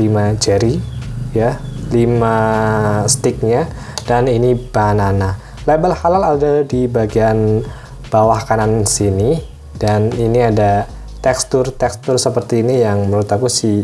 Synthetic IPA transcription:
limad͡ʒaɾijalima | st̪ɪk̚ɲa | d̥aninib̥anana | lebəlhalaladadibaɡian | b̥awahkanansini | d̥aniniada | t̪ɛkst̪ʊrt̪ɛkst̪ʊrsəpərt̪iːnijaŋməɾut̪akusi

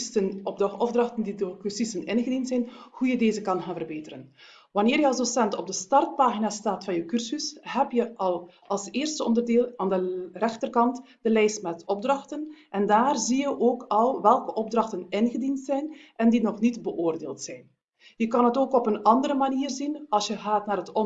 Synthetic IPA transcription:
stənɔbɔvdrɑxtəndidokyrsisənɪnɣədintsɛjnhujədeːzəkɑnxaːnvərbeːtəɾən | ʋɑnɪːrjəɑlˠsdosɛntɔb̚dəstɑrt̚paːɣinastaːtfɑnjəwkyrsysɦɛpjəɑlˠ | ɑlˠseːrstəɔ̰ndərdeːlˠaːndərɛxtərkɑnt | d̥əlɛjstmɛtɔb̚drɑxtənʔɛndaːrzijəʔoːkɑlˠʋɛlˠkəʔɔb̚drɑxtənɪnɣədintsɛjnʔɛndinɔxnitbəʔoːrdeːlˠtsɛjn | jəkɑnɦətoːkɔpənɑndəɾəmaniːrzinɑlˠsjəɣaːtnaːrɦətɔ

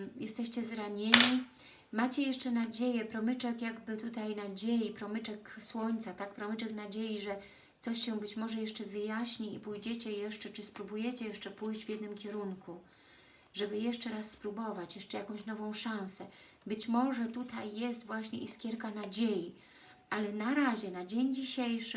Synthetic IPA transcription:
jɛst̪ɛɕt͡ɕɛzɾaɲeɲi | mat͡ɕɛjɛʂt͡ʂɛnad͡ʑejɛpɾɔmɘt͡ʂɛkjaɡbɘt̪ut̪ajnad͡ʑejipɾɔmɘt͡ʂɛkswɔɲt̪sat̪akpɾɔmɘt͡ʂɛknad͡ʑejiʐɛ | t̪sɔɕɕɛ̃bɘt͡ɕmɔʐɛjɛʂt͡ʂɛvɘjaɕɲiipujd͡ʑɛt͡ɕɛjɛʂt͡ʂɛt͡ʂɘspɾubujɛt͡ɕɛjɛʂt͡ʂɛpujʑd͡ʑvʲjɛd̪nɘmkʲɛɾuŋku | ʐɛbɘjɛʂt͡ʂɛɾasːpɾubɔvat͡ɕjɛʂt͡ʂɛjakɔ̃w̃ɕnɔvɔ̃w̃ʂãw̃sɛ | bɘt͡ɕmɔʐɛt̪ut̪ajːɛst̪vwaɕɲɛʔiskʲjɛɾkanad͡ʑeji | ʔalɛnaɾaʑɛnad͡ʑeɲd͡ʑiɕejʂɘ

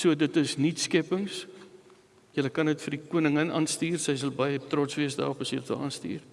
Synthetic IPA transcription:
suədətəsnitskɛpəŋs | jələkɐnətfərdikuənəŋənɑːnstiːrsəjs̬ɐlˠbɐjətrɔtsviəsdɑ̰ːrɔpɐsjələtə̰ɑːnstḭːr

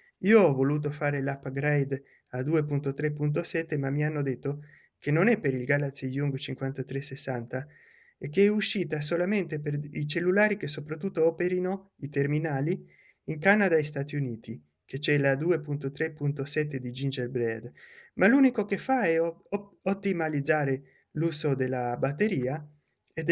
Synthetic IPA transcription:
ioɔvoluːt̪̬ofaːɾelapaɡɾajd̪ | ad̪uːepunt̪ot̪ɾepːunt̪̬osɛt̪ːemamːianːod̪et̪ːo | kenːonɛpːeɾilɡalat̪sijuŋɡt͡ʃiŋkwant̪at̪ɾesesːant̪a | ekːeɛuʃːiːt̪as̬olament̪eperit͡ʃelːulaːɾik̟esːopɾat̪ːut̪ːoɔːpeɾinoit̪erminaːliː | ŋkanad̪ajst̪at̪iuniːt̪i | ket͡ʃɛlad̪uepunt̪ot̪ɾepunt̪osɛt̪ːed̪id͡ʒind͡ʒelbɾɛd̪malunikokefːaɛot̪ːimalid̪zaːɾe | luzod̪elːabat̪ːeɾiːa | ed̪

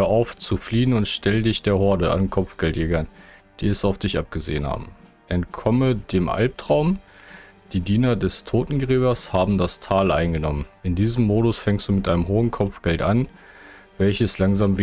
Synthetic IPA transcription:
əʔaʊft͡sufliːənʊntʃtʰɛlədɪçd̥eːɐhɔɐdəʔa̰nkʰɔpp͡fɡ̥ɛltjɛːɡɐnd̥iːɛsaʊfd̥ɪçʔap̚ɡ̥əzḛːənha̰ːbm̩ | ʔɛntkʰɔmədeːmʔa̰lp̚tʁ̥aʊm | d̥iːdiːnɐdɛstʰoːtn̩ɡʁeːbɐshaːbm̩dastʰaːlʔa̰ɪnɡənɔmənʔɪndiːzəmːoːɾʊsfɛŋkstd̥uːmɪtʔaɪnəmɦoːənkʰɔpp͡fɡ̥ɛltʔan | vɛlçəslaŋzaːmv

